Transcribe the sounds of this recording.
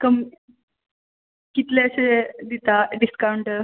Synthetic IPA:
kəm | kit̪leəsed̪it̪aɖiskawuɳʈəɾ

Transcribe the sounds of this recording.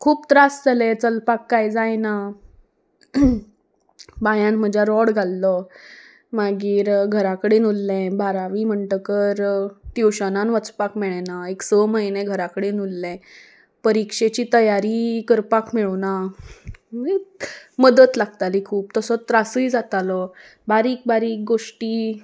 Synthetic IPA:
kʰuːpt̪ɾasd͡zʱalet͡səlpakːajd͡zajna | bajãnm̤əd͡ʑʱjaɾɔɽɡʱalːɔ | maɡiːɾɡʱəɾakəɽenulːɛ̃bʱaɾaʋim̤əɳʈəkəɾt̪iwɕənanʋət͡spakmɛɭɛnaeksəməjnẽɡʱəɾakəɽenulːɛ̃ | pəɾikʂet͡ɕiːt̪əjaɾikəɾpakmeɭna | miməd̪ət̪laɡt̪alikʰuːp̚t̪əsɔt̪ɾasəid͡zat̪alɔbaɾiːk̚baɾiːk̚ɡoʂʈiː

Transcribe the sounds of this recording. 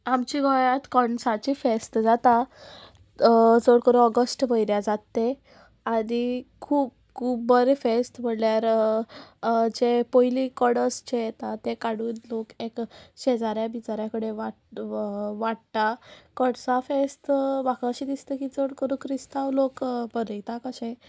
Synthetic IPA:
amt͡ɕiɡɔjat̪kɔɳsat͡ɕifest̪d͡zat̪a | d͡zoɽkəɾũɔɡəsʈbəjɾjad͡zat̪ːe | ad̪ikʰuːp̚ | kʰuːp̚bəɾefesʈm̤əɽljaɾ | d͡ʑepoilikəɽəst͡ɕejet̪at̪ekaɽuːnlokekɕed͡zaɾjabit͡ɕaɾjãkəɽeʋa | ʋaɽt̪akəɽsafest̪bakəɕid̪ist̪ekid͡zoɽkəɾũkʰɾist̪aʋlokbəɾit̪akəɕẽ

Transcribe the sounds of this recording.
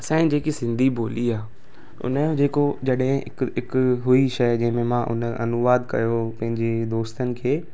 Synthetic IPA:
ɐsãːĩd͡ʑeːkisɪ̃nd̪ʱibʱoːliaː | ʊ̰nəd͡ʑeːkod͡ʑɐɗɦɪ̃ɪ̰kɪkɦʊiʃɐjd͡ʑɐ̃ɦɪ̃mẽmãʔʊ̰nɐ̰nʊʋaːd̪kɐ̰jopɐ̃ɦɪ̃ɲd͡ʑed̪oːst̪ənɪ̆kʰeː

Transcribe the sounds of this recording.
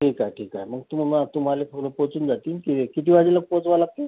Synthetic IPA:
ʈʰiːkajʈʰiːkajməɡ̚t̪ummat̪um̤alefʰoləpot͡suːnd͡zat̪iːnkit̪ekit̪ʰiːʋad͡ʑiləɡ̚pot͡sʋalaɡ̚t̪e

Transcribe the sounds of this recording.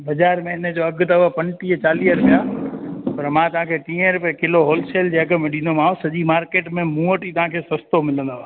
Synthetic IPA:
bəd͡ʒaːɾmẽɪnd͡ʑoɐɡt̪əapɐ̃nʈit͡ʃaːliəɾʊpjapɐɾmãt̪ɐʋãkʰeʈ̪ĩːə̃ɾʊpjakɪloɦoːlseːld͡ʑeəkmẽɗĩnd̪omaːosɐʄimaːɾkeːʈmẽmũːəʈit̪ɐɦãkʰesəst̪omɪlə̃nd̪a

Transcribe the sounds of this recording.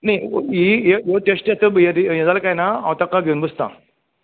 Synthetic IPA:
najijejoʈesʈjat̪əbjeɾijẽd͡zalkajnaa̰ʋt̪akaɡʱeunbəst̪a̰

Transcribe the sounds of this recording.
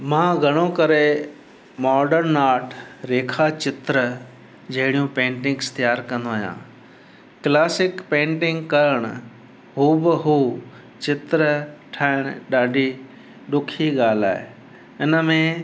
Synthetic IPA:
mãːɡʱɐɽ̃okɐɾe | mɔːɾɖəɾnaːɾʈʰɾeːkʰat͡ɕɪt̪ɾə | d͡ʑɐɦɪɽijũpẽːɳʈɪ̃ŋɡst̪ijaːɾkɐ̃nd̪oaːɦjã̰ː | klaːsɪkpẽːɳʈɪ̃ŋɡkɐɾəɽ̃ʊ | ɦuːbɪɦuː | t͡ɕɪt̪ɾəʈʰaːɪɽ̃ɗaːɖʱi | ɗʊkʰiɠaːla̰ːɦḛ | ɪnəmẽ

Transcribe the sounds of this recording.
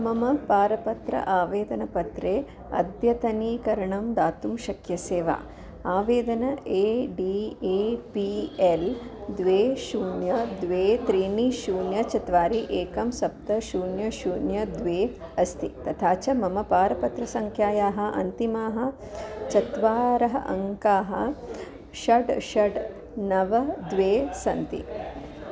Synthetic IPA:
mɐmɐpaːɾɐpɐt̪ɾɐ̰ʔaːʋeːd̪ɐnɐpɐt̪ɾeː | ɐ̰d̪jɐt̪ɐniːkɐɾɐɳɐmd̪aːt̪umʃɐkʰjɐseːʋa̰ː | aːʋeːd̪ɐnɐeːɖiːeːpield̪ʋeːʃuːnjɐd̪ʋeːt̪ɾiːɳiʃuːnjɐt͡ʃɐt̪ʋaːɾiʔeːkɐmsɐp̚t̪ɐʃuːnjɐʃuːnjɐd̪ʋeː | ɐst̪ʰit̪ɐt̪ʰaːt͡ʃɐmɐmɐpaːɾɐpɐt̪ɾɐsɐŋkʰjaːjaːɦɐ̆ʔɐ̰nt̪imaːɦɐ̆ | t͡ʃɐt̪ʋaːɾɐɦɐʔɐ̰ŋkaːɦɐ̰̆ | ʃɐɖʃɐɖ | nɐʋɐd̪ʋeːsɐnt̪ḭ

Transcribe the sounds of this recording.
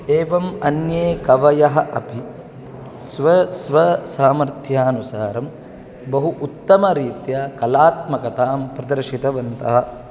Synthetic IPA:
eːʋɐmɐnjeːkɐʋɐjɐɦɐ̆ʔɐpi | sʋɐsʋɐsaːmɐɾt̪ʰjaːnusaːɾɐm | bɐɦuʔut̪ːɐmɐɾiːt̪jakɐlaːt̪mɐkɐt̪aːmpɾɐd̪ɐɾʃit̪ɐʋɐnt̪ɐɦɐ̆

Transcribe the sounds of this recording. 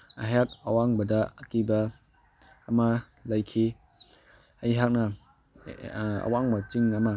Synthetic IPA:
ɐɦjak̚ɐwaŋbɐdɐːkibɐː | mɐ | lɐjkʰi | ɐjɦak̚nɐ | ɐ̰waŋbɐt͡ʃiŋɐmɐ

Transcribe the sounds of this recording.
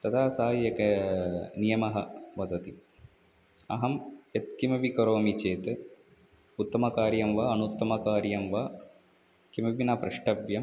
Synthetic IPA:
t̪ɐt̪aːsaːjjɐkɐnijɐmɐɦɐ̰ʋɐd̪ɐt̪i | ɐ̰ɦɐmjɐt̪kimɐʋikɐɾoːmit͡ʃeːt̪ɨ | ut̪ːɐmɐkaːɾjɐmʋaːɐnut̪ːɐmɐkaːɾjɐmʋaː | kimɐʋinapɾɐʂʈɐbjɐm

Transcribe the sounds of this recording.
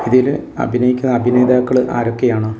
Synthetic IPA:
iðilɐ̰bʱinɐjikʲːunːɐːbʱine̞ːd̪aːkːɐɭɨʔa̰ːɾo̞kːe̞jaːɳɨ

